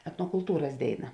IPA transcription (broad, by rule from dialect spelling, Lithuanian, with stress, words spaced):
ɛtnoːkʊlˠˈtuːrɐs ˈdʲeːɪˌnɐ